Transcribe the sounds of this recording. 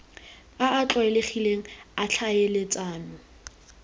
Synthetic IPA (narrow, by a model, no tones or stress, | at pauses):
aːt͡ɬʼwaɛleχileŋ̩at͡ɬʰajelɪt͡sʼaːnʊ